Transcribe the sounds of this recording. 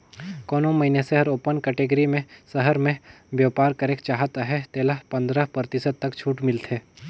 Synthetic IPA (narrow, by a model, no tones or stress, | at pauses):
koːnõmɐɦineseɦɐɾoːpənkɛːʈeːɡəɾimẽsəɦəɾmẽ | ʋjaːpaːɾkɐɾeːkt͡ʃaːɦət̪aɦɛt̪eːləpɐ̃nd̪ɾəpɾəɾt̪ɪsəd̪̚t̪ɐkt͡ʃʰuːʈmɪlt̪ʰeː